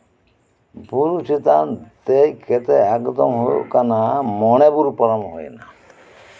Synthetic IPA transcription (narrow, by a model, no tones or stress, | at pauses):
buɾut͡ʃit̪ant̪ejket̪eɛkd̪ɔmɦojṵkanamɔñebuɾupɔɾamɦo̰jna